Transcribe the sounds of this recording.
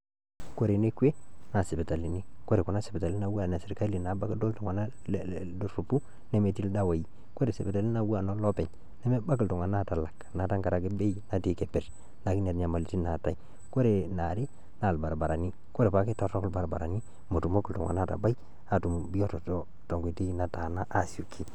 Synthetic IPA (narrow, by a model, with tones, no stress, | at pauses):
ko˦ɾe˨ne˦kwe˦na˨si˨be˨ta˨li˨ni˦ko˦ɾe˨ku˨na˦si˨bi˨ta˨li˦na˦˨˦wu˦a˦˨na˨se˨ɾka˦li˨na˨ba˦ki˦do˦ltu˨ŋa˨na˦˨ | dɾu˨pu˦ | ne˦me˦ti˦lda˦wa˨ji˦ | ko˦ɾe˨se˨be˨ta˨li˦na˨wu˦a˨no˦lɔ˦pɛ˨ɲ | ne˦me˦ba˦ki˨ltu˨ŋa˨na˦ta˨la˨kna˨ta˦ŋka˨ɾa˨ki˦be˦ji˨na˨ti˦ke˨pe˨ɾ | na˨ki˦ne˨ɾɲa˨ma˨li˨ti˦na˨ta˦i˨ | ko˦ɾe˨na˨ɾi˦ | na˨lba˨ɾba˨ɾa˨ni˦ | ko˦ɾe˨pa˨ki˦ta˦˨tɔ˦klba˨ɾba̰˨ɾa̰˨ni˦ | mo˨tu˨mo˦ku˨ltṵ˨ŋa̰˨na˦˨ta̰˨ba˦i˦ | a˨tu˨mbi˦jo˦tɔ˨to˦ | to˨ŋɡʷi˨te˦i˦na˨ta˨na˦ʔa˦su˨kʰi˦